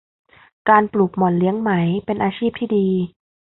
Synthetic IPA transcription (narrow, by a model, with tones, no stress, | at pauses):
kaː˧npluː˨˩k̚mɔ˨˩n̚li˦˥əŋma˦˥jpe˧nʔaː˧t͡ɕʰiː˥˩p̚t̪ʰiː˥˩diː˧